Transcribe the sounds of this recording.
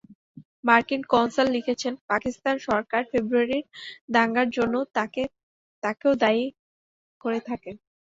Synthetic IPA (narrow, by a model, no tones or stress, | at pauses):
maɾkinkɔwnsolːikʰet͡ɕʰenpakist̪anʃɔɾkaɾfebɾuaɾiɾd̪aŋɡaɾd͡ʑonːot̪ae | t̪akeod̪ai | koɾet̪ʰaken